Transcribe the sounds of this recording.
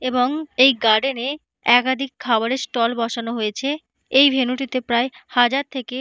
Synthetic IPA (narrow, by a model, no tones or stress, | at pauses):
eboŋejɡaɖene | ɛkad̪ʱikʰːabaɾeɾsʈɔlbɔʃanoɦoet͡ɕʰe | ejbʱenuʈit̪epɾaehad͡ʑaɾt̪ʰeke